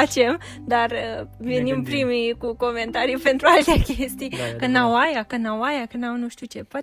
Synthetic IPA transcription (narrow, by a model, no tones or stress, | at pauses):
at͡ʃe̞m | d̪arəvenimpɾimikuko̞me̞nt̪aɾijpe̞nt̪ɾualt̪eakʲest̪ijkənawajakənawajakənawnuʃt̪iut͡ʃe̞pa